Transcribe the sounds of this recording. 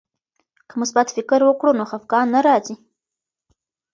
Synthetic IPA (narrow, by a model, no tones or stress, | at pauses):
kəmʊsbat̪fɪkɾwəkɽunoxafɡɑnːaɾɑzi